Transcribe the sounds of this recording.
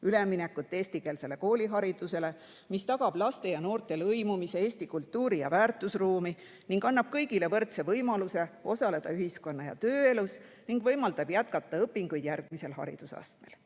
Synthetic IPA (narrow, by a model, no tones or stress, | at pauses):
ylemːinekːut̪ːe̞ːsʲt̪ike̞ːlse̞le̞ko̞ːlʲiɦɑɾid̪̥use̞le̞ | mist̪ɑɡ̥ɑb̥lɑst̪e̞jɑno̞ːrt̪ˑe̞lɤjmumise̞eːst̪ikult̪ːˑuːɾijɑ̰væːrt̪ːˑusruːmi | niŋɡɑnːɑb̥̚kɤjɡile̞vɤrt̪se̞vɤjmɑluse̞o̞sɑle̞d̪̥ɑyɦisko̞nːɑjɑ̰t̪øːe̞lus | niŋɡ̥vɤjmɑld̪ɑb̥jæt̪̚kɑt̪ːɑɤpːiŋɡujd̪̥jærɡ̥̚mise̞lɦɑ̰ɾḭd̪̥usɑ̰st̪me̞̰l